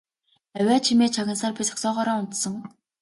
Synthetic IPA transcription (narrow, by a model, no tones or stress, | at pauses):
æwʲaːt͡ɕʰimeːt͡ɕʰaɣʲə̆nsaːrpʲit͡sɔ̥ksɔːʁɔːɾaːʊnt̪sɞ̆ŋ